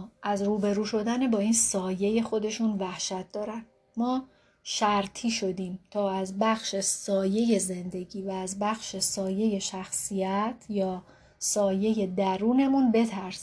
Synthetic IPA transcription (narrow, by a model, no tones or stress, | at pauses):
ʔæzɾuːbe̞ɾuːʃo̞d̪ænebɒːiːnsɒːje̞je̞xo̞d̪e̞ʃunvæhʃæt̪̚d̪ɒːɾænd̪ | mɒː | ʃæɾt̪ʰiːʃod̪iːmt̪ʰɒːæzbæxʃesɒːje̞je̞ze̞nd̪e̞ɟiːvæːzbæxʃesɒːje̞je̞ʃæxsijæt̪ʰjɒː | sɒːje̞je̞d̪æɾuːne̞munbe̞t̪ʰæɾs